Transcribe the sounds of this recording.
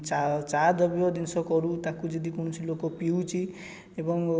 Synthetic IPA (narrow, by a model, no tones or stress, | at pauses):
t͡ʃat͡ʃad̪ɔbjɔd̪insɔkɔɾut̪akud͡ʒed̪ikuɳ̃sʰilokopiwt͡ʃʰi | ebɔŋ